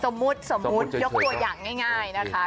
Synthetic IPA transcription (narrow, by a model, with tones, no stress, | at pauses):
so˨˩˦mːu˦˥t̪̚so˨˩˦mːu˦˥t̪̚jo˦˥k̚t̪u˧ɐjaː˨˩ŋːaː˥˩jŋaː˥˩jna˦˥kʰa˦˥